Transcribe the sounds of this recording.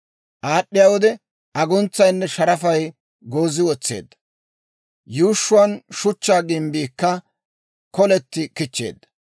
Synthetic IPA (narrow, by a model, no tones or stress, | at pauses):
ʔaːɗːɪjawɔd̪ɛ | ʔɐɡʊnt͡sːɐjnːɛʃɐɾɐfɐj | ɡo̞ːzɪwɔt͡sːe̞̰ːd̪ːɐ | juːʃːʊɐnʃʊt͡ʃːaːɡɪmbiːkːɐ | kɔlɛt̪ːɪkɪt͡ʃːe̞̰ːd̪ːɐ̥